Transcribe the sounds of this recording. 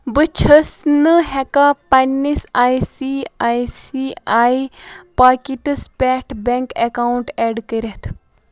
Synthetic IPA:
bɨt͡ʃʰəsnɨɦɛkapɐnːisaːisiaːisiaːipaːkiʈɨspɛːʈʰbɛŋkekaːuɳʈɛːɖkəɾet̪ʰ

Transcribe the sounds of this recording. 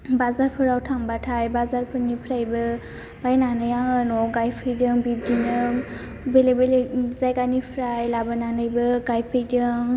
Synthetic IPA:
bazaɾpʰɯɾawtʰaŋbatʰajbazaɾpʰɯɾnipʰɾajbɯ | b̥ajnanɯjaŋɯnɔɡajpʰɯjdɯŋbib̚dinɯ | belebelezajɡanipʰɾajlabananɯjbɯɡajpʰɯjdɯŋ

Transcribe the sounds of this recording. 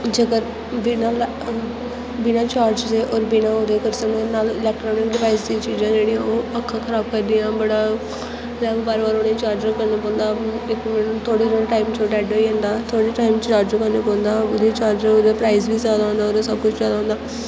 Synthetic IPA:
d͡ʒəɡəɾ | bɪnaːl | bɪnãːt͡ʃaːɾd͡ʒd̪eːʔɔːɾbɪnãːoːd̪eːkəɾsəkneːnaːlɪlɛːk̚ʈɾɔːnɪkɖɪʋaːɪsd̪ĩt͡ʃiːd͡ʒãːd͡ʒeːɽiːãːoːəkʰːãːkʰəɾaːb̚kəɾd̪iːãːbəɽaː | laːbbaːɾʋaːɾʊɽẽːt͡ʃaːɾd͡ʒəɾkəɾneːpõːnd̪aːɪkmɛːnːt̪ʰoːɽeːɾoːʈaːɪmt͡ʃoːʈɛːɖoiɛ̃ːnd̪aːt̪ʰoːɽeːʈaːɪmt͡ʃt͡ʃaːɾd͡ʒokəneːpõːnd̪aːʊd̪eːt͡ʃaːɾd͡ʒəod̪eːpɾaːɪzbiːzjaːd̪aːɦõːnd̪aːoːɾesəb̚kʊt͡ʃʰzjaːd̪aːɦːnd̪aː

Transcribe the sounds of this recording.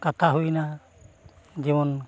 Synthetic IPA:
kat̪ʰaɦujna | d͡ʒimɔn

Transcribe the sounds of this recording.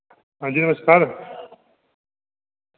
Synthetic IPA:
ɦãːnd͡ʑiːnɐməskaːɾ

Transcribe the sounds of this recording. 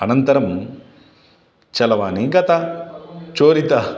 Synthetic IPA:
ɐnɐnt̪ɐɾɐm | t͡ʃɐlɐʋaːniɡɐt̪ɐ | t͡ʃoːɾit̪ɐ

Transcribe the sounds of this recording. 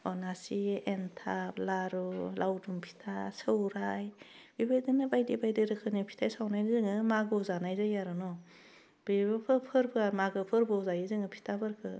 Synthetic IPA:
ɔnasientʰaplaɾulʔawdumpʰi̥tʰasɯwɾajb̥ibajdɯnɯbajdibajdiɾɯkʰɯnipʰi̥tʰajsawnajnzɯŋɯmaɡɯzanajzajaɾɯnɔ | b̥iibɯpʰɯpʰɯɾbɯamaɡɯpʰɯɾbɯzajɯzɯŋɯpʰi̥tʰabɯɾkʰɯ

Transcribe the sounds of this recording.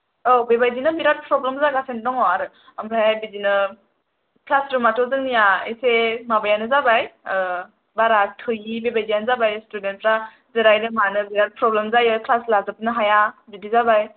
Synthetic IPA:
obebajdinɯbiɾat̚pʰɾɔblemzaɡasendɔŋɔaɾɯ | amɾaajbidinɯ | klasɾɯmatʰɔzɯŋnijaesemabajanɯzabaj | baɾatʰɯjibebajdijanzabajstudentɾa | zɯɾajɾɯmanɯbiɾat̚pʰɾɔblemzajɯkʰlaslazɯp̚nɯɦajabidizabaj

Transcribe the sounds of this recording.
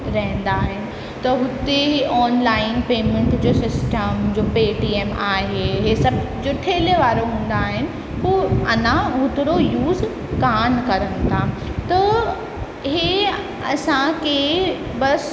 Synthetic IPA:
ɾɐɦɪ̃n̆d̪aːɦɪnɪ̆ | t̪ɐɦʊt̪eɔːnlaːɪnpeːmẽɳʈd͡ʑoːsɪsʈəmd͡ʑoːpeːʈiːeːmaːɦeɦesɐbʱ | d͡ʑʊʈʰeːleʋaːɾoɦũːn̆d̪aːɦɪnɪ̆ | poɐnãɦʊt̪ɪɾojuːz | kaːnkɐɾənɪ̆t̪ʰaː | t̪ɐ | ɦe | ɐsãkʰe | bɐs

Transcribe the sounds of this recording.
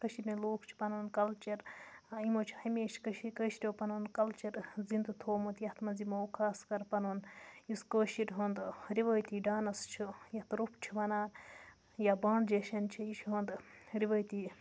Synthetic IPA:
kɐʃiɾʲnɐloːkʰt͡ʃʰi̥pɐnoːnkɐlt͡ʃɐɾimot͡ʃʰi̥hɐmʲeːʃkɐʃikəːʃiɾʲoːpɐnoːnkɐlt͡ʃɐɾzind̪ɨt̪ʰoːmut̪jɐht̪mɐnzimoukʰaːskɐɾpɐnoːniskəːʃiɾʲɦɐːnd̪ɾiʋəːjt̪iːɖaːnɐst͡ʃʰujɐt̪ɾupʰt͡ʃʰiʋɐnaːn | jabaːɳɖd͡ʒɐʃɐnt͡ʃʰiiʃʰɦoːnd̪ɾiʋɐːjt̪iː

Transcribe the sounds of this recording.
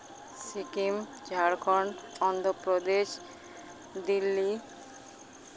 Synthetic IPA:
sikimt͡ɕaɾkʰɔɳɖɔnd̪ʱopɾod̪eʃ | d̪ilːi

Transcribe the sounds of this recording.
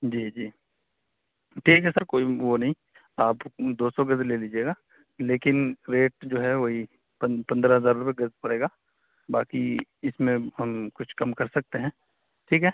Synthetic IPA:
d͡ʒiːd͡ʒiː | ʈʰiːkɦɛsəɾkoːiʋonɐɦĩ | aːpd̪oːsɔɡɐzleːliːd͡ʒieːɡaː | leːkɪnɾeːʈ̚d͡ʒoːɦɛʋoːɦi | pɐpɐ̃nd̪ɾaɦɐzaːɾʊpeɡɐzpɐɽeːɡaː | baːkiɪsmẽɦɐmkʊt͡ʃʰkɐmkɐɾsɐk̚t̪eɦɛ̃ː | ʈʰiːkɦɛ

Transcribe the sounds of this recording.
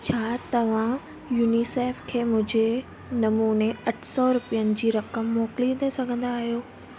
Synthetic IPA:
t͡ɕʰaːt̪ɐʋ̤ã | juːniseːfkʰeːmʊ̃ɦɪ̃d͡ʑe | nɐmuːneɐʈʰsɔɾʊpijənɪ̆d͡ʑiːɾɐkəmːɔːkɪlid̪esɐɡʱə̃nd̪aːɦijoː

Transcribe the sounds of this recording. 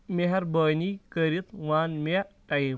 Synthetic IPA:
meɦɐɾbəːnikəɾit̪ʋaːnmaʈɐji

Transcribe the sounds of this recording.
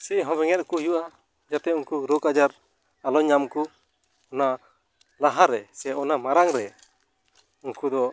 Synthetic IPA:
sɛɦɔ̃bɛŋɛt̪̚kujuʔa | d͡ʒat̪ɛunkuɾokad͡ʒaɾ | alɔɲamku | ɔna | laɦaɾɛsɛɔnamaɾaŋɾɛ | unkud̪ɔ

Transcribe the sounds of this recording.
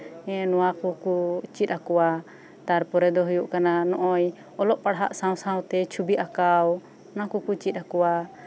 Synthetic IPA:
ɛ̃nɔwakɔkut͡ʃit̪̚ˀakɔwa | t̪aɾpɔɾɛd̪ɔɦujuʔkananɔʔɔj | ɔlɔʔpaɽɦa̰ʔsãw̃sãw̃t̪ɛt͡ʃʰubiʔakaw | nakukut͡ʃit̪̚akɔwa

